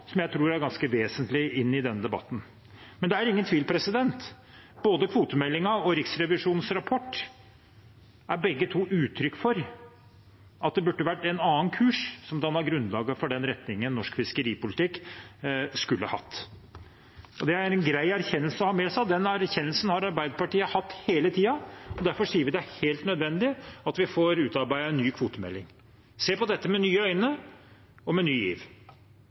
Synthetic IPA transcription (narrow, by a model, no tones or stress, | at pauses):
sɔmjæɪt̪ʰɾuːɾæɾɡɑnskəʋeːsənt̪lɪɪnːɪd̪ɛnːəd̪ɛbɑ̰t̪ːn̩ | mɛnd̪ɛæɾɪŋːənt̪ʰʋiːlpʰɾɛsɪd̪ɛnt̪ | b̥oːd̪əkʰʋuːt̪əmɛlːɪŋɑɔɾɪksɾɛʋɪʂuːnnsɾɑpʰɔʈː | ʔæɾbɛɡːət̪ʰuːʔʉːt̪ʰɾʏkːfɔɾ | ʔɑt̪̚d̪ɛbʉʈːəʋæʈːɛnɑːnkʰʉːʂsɔmd̪ɑnɑɾɡɾʉnlɑːɡəfɔɖɛnɾɛt̪nɪŋːənːɔʂkfɪskəɾiːpʊlɪt̪ʰɪkː | skʉlːə̰hɑ̰t̪ː | ɔd̪ɛæɾɛnɡɾæɪæɾçɛnːəlsəɔhɑːmeːsɑd̪ɛnæɾçɛnːəlsn̩hɑɾɑɾbæɪd̪əpɑʈiːəhɑt̪ːheːlət̪ʰiːɑɔd̪æɾfɔʂiːəʋɪd̪ɛæheːlt̪nœd̪ʋɛnd̪ɪɑt̪ʋɪfoːɾʉːt̪ɑɾbæɪəɛnːyːkʰʋuːt̪əmɛ̰lːɪŋ | seːpɔd̪ɛt̪ːəmɛnyːəœʏnə | ɔmɛnyːjḭːʋ